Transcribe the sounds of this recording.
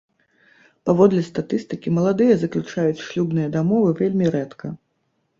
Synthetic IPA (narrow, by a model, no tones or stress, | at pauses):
pavɔd̪lʲɛst̪at̪ɨst̪ɨkʲimɐlˠad̪ɨjɐzɐklʲut͡ʂajut͡sʲʂlʲubn̪ɨjɐd̪amɔvɨvʲelʲmʲiɾɛt̪kʰɐ